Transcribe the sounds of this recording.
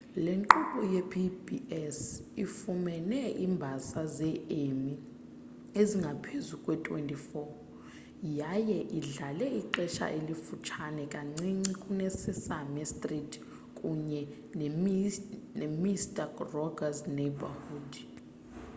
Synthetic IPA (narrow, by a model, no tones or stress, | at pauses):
leŋǃuɓʼɔjɛpʰibiɛsifumɛnɛʔimbʱasazɛemi | eziŋɡʱapʰezukʼwɛtʰʼwḛntʼifɔ | jajɛʔiɮalɛiǃɛʃa̰ʔelifut͡ʃʰanɛkʼaŋ͡ǀiŋ͡ǀikʼunɛsɛsamɛstʼritʰʼ | kʼuɲɛ | n | nemistʼarɔɡaznɛbahudi